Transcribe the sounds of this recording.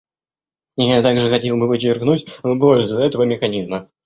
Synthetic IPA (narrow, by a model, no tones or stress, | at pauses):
jat̪aɡʐɨxɐtʲe̞lˠbɨvɨt͡ɕɪrknutʲvɨp̬olʲzʊɛt̪əvəmʲɪxɐnʲizmə